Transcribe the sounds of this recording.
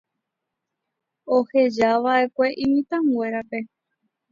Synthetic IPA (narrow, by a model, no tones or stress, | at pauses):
ohe̞d͡ʒaʋae̞kʷe̞ʔĩmĩt̪ãŋe̞ɾape̞